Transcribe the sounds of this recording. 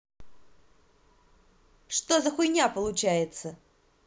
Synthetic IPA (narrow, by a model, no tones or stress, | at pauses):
ʂt̪ozəxʊjnʲapəlˠʊt͡ɕæjɪt̪sə